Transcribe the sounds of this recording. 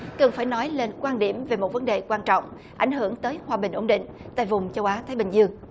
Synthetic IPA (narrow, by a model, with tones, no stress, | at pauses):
kə˨˩nfaː˧˩jnɔ˨˦jle˧nkwaː˧nɗi˧˩əmve˨˩mo˨˩t̚və˨˦nɗe˨˩kwaː˧nt͡ɕɔ̰˧˨wŋ͡m | ʔa̰˧˩jŋ̟ɦɨ˧˩əŋt̪əː˨˦jhwaː˨˩ɓï˨˩ŋ̟ʔo˧˩ŋ͡mɗḭ˧˨ŋ̟ | t̪a̰ː˧˨jvʊ˨˩ŋ͡mt͡ɕə˧wʔaː˨˦t̪ʰaː˨˦jɓï˨˩ŋzɨ˧əŋ